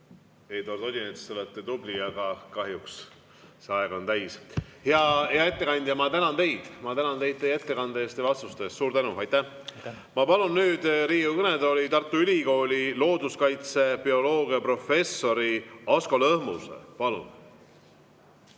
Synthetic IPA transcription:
ejd̪ort̪o̞d̪ʲinet̪st̪eolet̪ːˑet̪ubliɑɡ̥ɑkɑɦjuks | seɑeɡ̥o̞nt̪æjsheɑheɑe̞t̪ːe̞kɑnʲd̪jɑmɑt̪ænɑnt̪e̞jd̪̥mɑt̪ænɑnt̪e̞jd̪̚t̪eje̞t̪ːe̞kɑnd̪ee̞ːst̪evɑst̪ust̪e̞ːst̪suːɾt̪ænuɑjt̪ːæh | mɑpɑlunːyːd̪̥ɾiːukɯned̪olʲit̪ɑrt̪ːˑuylʲiko̞ːlʲilo̞ːd̪uskɑjt̪se̞pio̞lo̞ːɡ̥iɑpro̞fe̞sːo̞ɾioskolɤhmusḛpɑlṵn

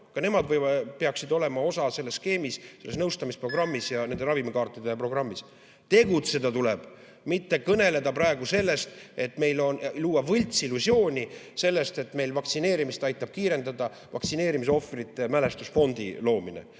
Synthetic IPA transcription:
kɑne̞mɑd̪vɤjɑpe̞ɑksid̪o̞le̞mɑo̞sɑse̞lːe̞ske̞ːmisse̞lːesnɤwst̪ɑmispro̞ɡrɑmːisjɑne̞nd̪e̞ɾɑvimekɑːrt̪ːˑid̪e̞pro̞ɡ̥rɑmːis | t̪e̞ɡ̥ut̪se̞d̪̥ɑt̪uleb̥ | mit̪ːe̞kɤne̞le̞d̪ɑprɑeɡ̥use̞lːe̞st̪e̞t̪me̞jlo̞nluːɑvɤlʲt̪silːusjo̞ːnʲise̞lːe̞st̪e̞t̪me̞jlvɑkt̪sine̞ːɾimist̪ɑjt̪ːˑɑb̥̚kiːɾe̞nd̪ɑd̪̥ɑ | vɑ̰ksine̞ːɾimis̬eo̞frit̪ːˑe̞mæle̞st̪usfo̞nd̪ḭlo̞ːmine̞̰

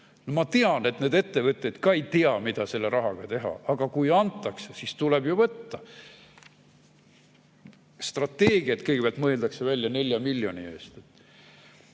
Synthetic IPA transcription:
nomɑt̪eɑne̞t̪ne̞ːd̪e̞t̪ːe̞vɤt̪ʲːˑed̪̥kɑejt̪eɑmid̪̥ɑse̞lːeɾʔɑɦɑɡ̥ɑt̪e̞ɦɑ̰ɑɡ̥ɑkujɑnt̪ːˑɑksesist̪ulebjuvɤt̪ːɑ | st̪rɑt̪ːe̞ːɡ̥iɑt̪kɤjɡ̥epæɑlt̪mɤeld̪ɑkse̞vælʲːjɑne̞lʲjɑmilʲːjo̞nie̞ːst̪et̪ː

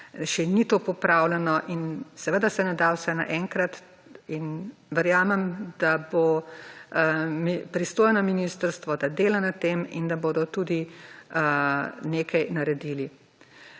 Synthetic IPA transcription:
ʃɛnit̪oːpɔpɾaːwlɛnɔʔinsɛʋəd̪asɛnɛd̪awsɛna̰ʔɛŋkɾat̪ | inʋəɾjaːmɛmd̪̥abo | mipɾist̪oːjnɔminist̪əɾst̪ʋɔd̪ad̪eːlanat̪eːmḭnd̪aboːd̪ɔt̪uːd̪i | neːkʰajnaɾɛd̪ili

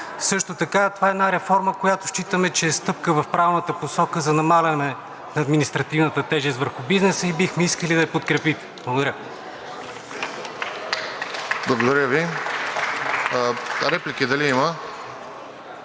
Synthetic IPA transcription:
sɤʃt̪ot̪ɐkat̪ovaɛd̪naɾɛfɔɾməkojat̪ʊʃt͡ʃit̪əmɛt͡ʃɛːst̪ɤp̚kəvɐfpɾavnət̪əposɔkəzɐnɐmalʲɐnɛ | nɐːd̪minist̪ɾɐt̪ivnət̪ət̪ɛʒɛst̪vəɾxʊbiznɛsəibixmɛiskəlid̪ɐɛpot̪̚kɾɛpit̪ | b̥lˠəɡod̪ɐɾə | blˠɐɡod̪ɐɾʲjəvi | ɾɛplikid̪ɐliimə

